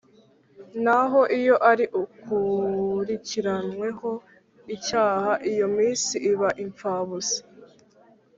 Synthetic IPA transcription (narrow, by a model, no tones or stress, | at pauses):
naɦo̞ʔijo̞ʔaɾiʔukuɾiciɾanwe̞ho̞ | icaːhaʔijo̞miːnsiʔiβaʔiɱp͡faːβusi̥